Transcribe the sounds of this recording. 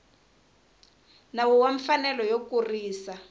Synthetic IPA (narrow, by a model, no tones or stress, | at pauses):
nawɔwaɱfanɛlɔjokuriːsa